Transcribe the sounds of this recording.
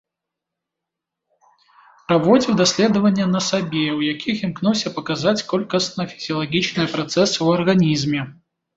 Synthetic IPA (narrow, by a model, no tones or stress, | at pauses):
pɾɐvɔd͡zʲiwd̪asʲlʲɛd̪əvɐnʲːjɛnɐsabʲewjakʲixʲimknuwsʲɐpɐkazat͡sʲkɔlʲkɐsnɐfʲi̥z̥ʲiɐlˠaɡʲit͡ʃnɨjpɾat̪sɛsɨwuɐrɣanʲizmʲɛ